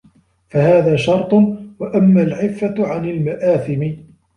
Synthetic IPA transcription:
fahaːðaːʃɑɾˤt̪ˤwaʔamːaːlʕɪfːaʕanɪlmaʔaːθɪmɪ

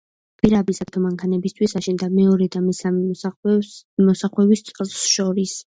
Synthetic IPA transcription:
pʼiɾabisat̪ʰɔmaŋkʰanɛbist̪ʰwisaʃind̪amɛɔɾɛd̪amɛsamɛ | mɔsaχwɛbist̪sʼɛlˠsʃɔɾis

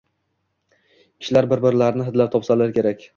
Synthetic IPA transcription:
kʲʰɪ̥ʃlaɾbɪɾbɪɾlaɾnɪɦɪd̪lapt̪ʰɒpsalaɾkʲʰe̞ɾakʲ

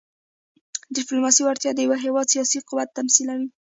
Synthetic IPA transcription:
ɖɪplomɑsiwaɾt̪jɑd̪əjawəɦewɑd̪sijɑsiqʊwat̪ːamsilawi

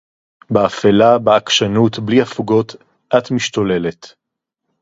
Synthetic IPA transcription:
beafelabeakʃanutbliafuɡo̞t | ʔatmiʃtole̞le̞t

